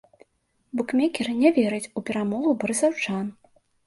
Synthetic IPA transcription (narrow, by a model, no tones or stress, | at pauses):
bɔkmʲɛkʲɛrnʲɛvʲɛɾɨt͡sʲupʲɛɾamɔɣubɐɾɨsawt͡ʂan